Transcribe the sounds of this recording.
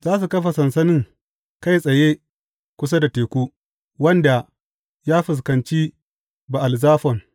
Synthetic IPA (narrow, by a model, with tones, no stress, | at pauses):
zaː˦s̬u˨kɐ˦ɸa˨sɐ˨nsɐ˦nɪ˦ŋ | ka˦˨jsʼɐ˨jeː˦ | kʷʊ˦s̬a˦da˨teː˨kʷuː˦ | wɐ˦nda˨ | jaː˦ɸɪ˨s̬kɐ˨nt͡ʃiː˦ | ba˨ʔa˨lzaː˦ɸɔ˨ŋ